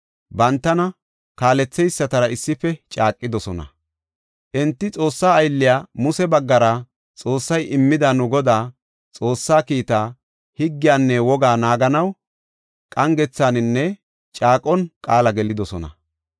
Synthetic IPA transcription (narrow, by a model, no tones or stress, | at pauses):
bɐnt̪ːɐnɐ | kaːlɛt͡sːɛjsːɐt̪ɐɾɐɪsːɪfɛt͡ʃʼaːkʼːɪd̪ɔsɔnɐ̰ | ʔɛnt̪ːɪt͡sʼo̞ːsːaːjlːɪjaːmʊsɛbɐɡːɐɾɐ | t͡sʼo̞ːsːɐjɪmːɪd̪anʊɡɔd̪aː | t͡sʼo̞ːsːaːkiːt̪aː | hɪɡːɪjaːnːɛwɔɡaːnaːɡɐnɐw | kʼɐŋɡɛt͡sːaːnɪnːɛ | t͡ʃʼaːkʼɔnkʼaːlɐɡɛlɪd̪ɔsɔnɐ̰